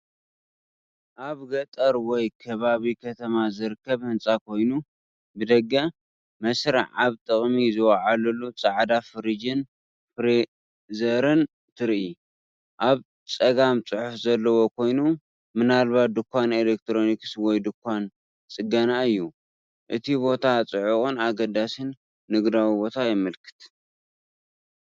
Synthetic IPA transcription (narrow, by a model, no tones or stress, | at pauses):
ʔaβɡɐt̪ʼɐɾwɔjkʰɐβaβikʰɐt̪ʰɐmazɨɾɨkʰːɐβhɨnt͡sʼakʰo̞jnu | bɨd̪ɐɡːɐ | mɐsɾa̰ʕaβt̪ʼɨχʼmizɨwɐʕalɐlːut͡sʼaʕd̪afɨɾid͡ʒɨn | fɾ | zɐɾɨn | t̪ʰɨɾi | ʔaβ | t͡sʼɐɡamt͡sʼɨħufzɐlːɐwo̞kʰo̞jnu | mɨnalbat̪̚d̪ɨkʷːanelek̚t̪ʰɾo̞nikswɔjd̪ɨkʷːan | t͡sʼɨɡɐnaɨjːu | ʔɨt̪ʰibo̞t̪ʰat͡sʼɨʕuχʼɨnaɡɐd̪asɨnː | ɨɡd̪awibo̞t̪ʰajɪmɨlkʰɨ̥t̪